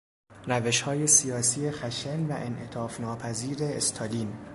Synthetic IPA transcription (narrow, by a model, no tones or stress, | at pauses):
ræve̞ʃhɒːje̞sijɒːsiːe̞xæʃenvæʔenʔe̞t̪ʰɒːfnɒːpʰæziːɾeest̪ʰɑliːn